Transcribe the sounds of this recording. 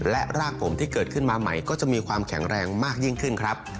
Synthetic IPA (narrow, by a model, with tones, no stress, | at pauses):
lɛ˦˥ʔɾaː˥˩k̚pʰo˩˦mt̪ʰiː˥˩kɤː˨˩t̪̚kʰɯ˥˩nmaː˧ma̰˩jkɔː˥˩t͡ɕa˨˩ʔmiː˧kʰwaː˧mkʰɛ˩˦ŋɾɛː˧ŋmaː˥˩k̚ji˥˩ŋkʰɯ˥˩nkʰɾa˦˥p̚